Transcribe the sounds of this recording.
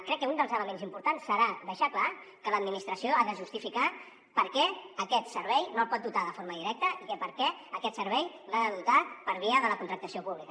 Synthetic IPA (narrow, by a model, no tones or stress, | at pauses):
kɾɛkːəund̪əlˠzələmenzimpuɾt̪ansːəɾaðəʃakla | kələd̪minist̪ɾəsioaðəʒust̪ifika | pəɾkɛəkɛt̪səɾβɛjnoəlˠpɔt̪̚d̪ut̪aðəfoɾməðiɾɛk̚t̪əʔikəpəɾkɛəkɛt̪səɾβɛj | aðəðut̪apəɾβiəðələkunt̪ɾək̚t̪əsiopuβlikə